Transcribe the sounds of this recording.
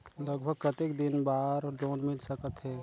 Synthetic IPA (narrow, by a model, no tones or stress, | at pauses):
ləɡ̚bʱəɡ̚kət̪ekd̪ɪnbaːɾɖoːnmɪlsəkət̪ɦɛ